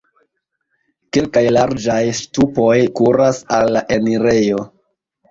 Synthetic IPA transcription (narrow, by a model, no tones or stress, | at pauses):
ke̞lkajlaɾd͡ʒajstupo̞jkuɾasalːaʔe̞niɾe̞jo̞